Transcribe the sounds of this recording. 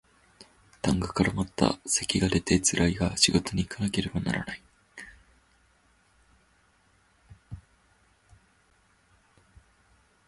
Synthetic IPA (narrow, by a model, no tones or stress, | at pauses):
t̪ãŋɡɯ̟kaɾamat̪ːa̰se̞kʲiɡad̪e̞t̪e̞t͡sɨɾʔaiɡaɕiɡo̞t̪o̞ɲ̟iːkʰanake̞ɾe̞bana̰ɾa̰nai